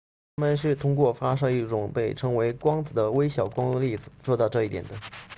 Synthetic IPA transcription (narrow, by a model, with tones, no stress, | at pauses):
t̪ʰa˥mə˨nʂɻ̩˥˩t̪ʰʊ˥ŋkwɔ˥˩fa˥ʂ̬ɤ˥i˥˩ʈ͡ʂʊ˨˩ŋpe˥˩ɪʈ͡ʂʰɤ˥ŋwe˧˥ɪkwɑ˥ŋd͡zɹ̩˨˩d̪ə˦we˥ɪɕjɑ˨˩ʊkwɑ˥ŋə˧li˥˩d͡zɹ̩˨˩ʂwɔ˥˧t̪ɑ˥˧ʊʈ͡ʂɤ˥˧i˥˩t̪jɛ˨˩nd̪ə˦